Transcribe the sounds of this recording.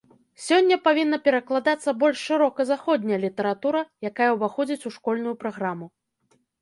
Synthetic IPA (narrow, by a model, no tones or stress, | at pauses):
sʲɔnʲːɐpavʲinːɐpʲɛɾɐklˠad̪at̪sːɐbɔlʲʂʂɨɾɔkɐzaxɔd̪ʲnʲɐjɐlʲit̪ɛɾat̪uɾɐjakajɐwbaxɔd͡zʲit͡sʲuʂkɔlʲnujupɾaɣɾamu